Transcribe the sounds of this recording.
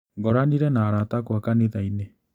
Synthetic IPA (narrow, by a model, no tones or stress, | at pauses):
ŋɡɔɾaniɾɛnaːɾatakwakaneðaine